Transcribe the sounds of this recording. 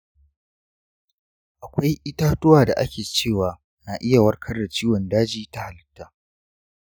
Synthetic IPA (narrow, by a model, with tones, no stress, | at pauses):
ʔa˨kʷa˦jʔɪ˦taː˦tʊ˦waː˨da˨ʔa̰˦kʲeː˨t͡ʃeː˦˨waː˨ | naː˨ʔɪ˦ja˨wɐ˦rkʰɐ˦rda˨t͡ʃiː˦wɔ˨ndaː˦d͡ʒiː˦ta˦ha˨lɪ˦tːaː˦